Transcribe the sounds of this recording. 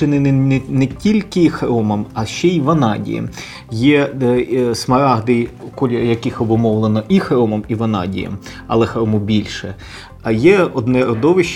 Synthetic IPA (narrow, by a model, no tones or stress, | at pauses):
ɪnɪnnnɛtʲilʲkɪxɾɔmɔmɐʃt͡ʃːɛiʋɐnɑdʲḭjɛ̰m | jɛ | smɐɾɑɦd̪ɪjkɔlʲɪjɐkɪxɔbʊmɔʋlˠenɔʔixɾɔmɔmiʋɐnɑ̰dʲḭjɐ̰m | ɐ̰lˠɛxɾɔmʊbʲilʲʃɛ | ɐjɛɔd̪nɛɾɔd̪ɔʋɪʃt͡ʃ